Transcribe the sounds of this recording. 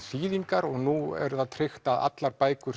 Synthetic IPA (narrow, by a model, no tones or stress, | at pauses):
siːðiŋkaɾɔɣnuɛ̰ɾðaðt̪ʰɾɪxt̪aða̰t̪laɾpaːjkʏɾ